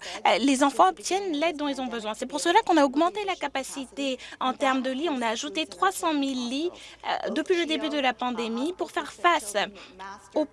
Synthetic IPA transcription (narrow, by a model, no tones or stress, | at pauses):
lezɑ̃fɑ̃ɔpt̪jɛnlɛd̪̚ːɔ̃ilzɔ̃bəzwɛ̃sɛpuʁsəlakɔ̃naɔɡmɑ̃t̪elakapasit̪eɑ̃t̪ɛʁmd̪əliɔ̃naːʒut̪et̪χwasɑ̃milːḭd̪əpɥiləd̪ebyd̪əlapɑ̃d̪emipuʁfɛʁfas | o